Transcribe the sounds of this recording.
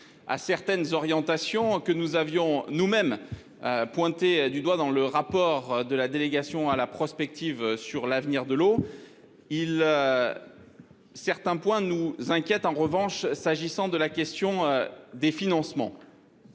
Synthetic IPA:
a̰sɛʁt̪ɛnzɔʁjɑ̃t̪asjɔ̃kənuzavjɔ̃numɛm | øpwɛ̃t̪ed̪yd̪wad̪ɑ̃ləʁapɔʁd̪əlad̪eleɡasjɔ̃alapχɔspɛk̚t̪ʰivsyʁlavniʁd̪əlo | ilø | sɛʁt̪ɛ̃pwɛ̃nuzɛ̃kʲjɛt̪ɑ̃ʁəvɑ̃ʃsaʒisɑ̃d̪əlakʲɛst̪jɔ̃d̪efinɑ̃smɑ̰̃

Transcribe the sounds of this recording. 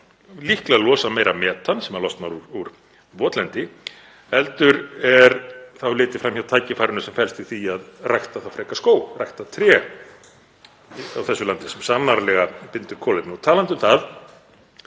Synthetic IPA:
lihklalɔːsamejɾamɛːt̪ansɛmaɾlɔst̪naɾuɾuɾ | vɔːt̪lɛnt̪ɪ | ɛlt̪ʏɾɛɾθawlɪːt̪ɪfɾamçawt̪ʰaːjcɪfajɾɪnʏsɛmfɛlst̪iθiaðrajht̪aθawfɾɛːkaskoːwrajht̪at̪ʰɾɛː | a̰wθɛsːʏlant̪ɪsɛmsanːaɾlɛɣapɪnt̪ʏɾkʰɔːlɪp̪nat̪ʰaːlant̪ʏmθað

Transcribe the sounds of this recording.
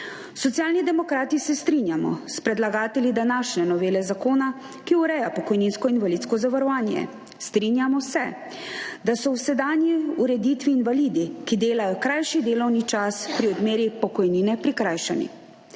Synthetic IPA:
sɔt̪sjaːlnid̪ɛmɔkɾaːt̪isɛst̪ɾinjamɔ̰spɾɛd̪laɡaːt̪ɛljid̪anaːʃnɛnɔʋeːlɛzakoːna | kiuɾɛjapɔkɔjninskɔinʋaliːt̪skɔzaʋaɾɔʋaːnjɛ̰ | st̪ɾinjamɔsɛ | d̪asɔwsɛd̪aːnjiuɾɛd̪it̪ʋiːnʋaliːd̪ikid̪eːlajɔkɾajʃid̪eːlɔwnit͡ʃaspɾiɔd̪meːɾipɔkɔjniːnɛpɾikɾaːjʃɛnḭ

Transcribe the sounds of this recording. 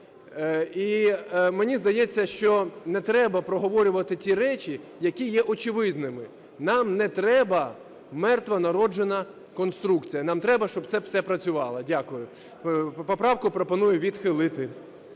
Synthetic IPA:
imenʲizd̪ɐjɛt͡sʲːɐʃt͡ʃɔnɛt̪ɾɛbɐpɾɔɦɔʋɔɾʲʊʋɐt̪ɪtʲiɾɛt͡ʃʲijɐkʲijɛʔɔt͡ʃɪʋɪd̪nɪmɪ | nɑmnɛt̪ɾɛbɐ | mɛrt̪ʋɐnɐɾɔd͡ʒenɐ | kɔnst̪ɾukt͡sʲijɐnɑmt̪ɾɛbɐʃt͡ʃɔb̚t̪sɛfsɛpɾɐt͡sʲʊʋɑlˠɐdʲakʊjʊ | pɔpɾɑwkʊpɾɔpɔnujʊʋʲid̪xɪlˠɪt̪ɪ

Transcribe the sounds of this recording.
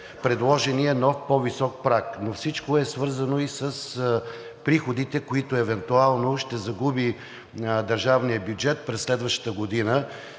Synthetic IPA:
pɾɛd̪lˠɔʒɛniɛnɔfpɔvisɔk̚pɾaknofsit͡ʃkoɛsvɤɾzənoisəs | pɾixod̪it̪ɛkoit̪oɛvɛnt̪ualˠnoʃt̪ɛzɐɡubi | d̪əɾʒavnijəbjud͡ʒɛt̪̚pɾɛsːlɛd̪vəʃt̪ə̥t̪əɡod̪inə

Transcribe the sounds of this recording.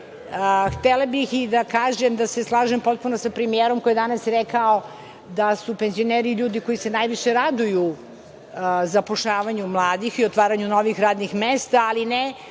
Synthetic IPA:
əxt̪elabixid̪akaːʒemd̪aseslˠaːʒempo̞t̪̚punosapɾemijeːɾomkojed̪anasɾɛkao̞ | d̪asupenzio̞neːɾiʎuːd̪iko̞jisenajʋiʃeɾad̪uju | zapoʃʎaːʋaɲumlˠaːd̪ixiot̪ʋaːɾaɲuno̞ʋixɾaːd̪nixmeːst̪aːline

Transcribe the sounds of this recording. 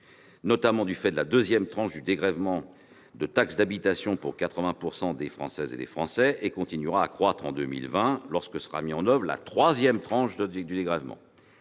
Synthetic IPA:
nɔt̪amɑ̃d̪yfɛd̪əlad̪øzjɛmt̪χɑ̃ʃd̪yd̪eɡʁɛvmɑ̃ | d̪ət̪aksd̪abit̪asjɔ̃puʁkat̪χəvɛ̃puʁsɑ̃d̪efχɑ̰̃sɛzḛd̪ḛfχɑ̃sɛekɔ̃t̪inyʁaːkχwat̪χɑ̃d̪ømḭlvɛ̃lɔʁskəsə̥ʁa̰miɑ̃nœvʁəla̰t̪χwazjɛmt̪χɑ̃ʃd̪əd̪yd̪eɡʁɛvmɑ̰̃

